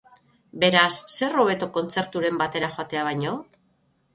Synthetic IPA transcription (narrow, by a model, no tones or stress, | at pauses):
be̞ɾasːe̞ro̞βe̞t̪o̞ko̞nt͡se̞ɾt̪uɾe̞mbat̪e̞ɾaxoat̪e̞aβ̞ajɲo̞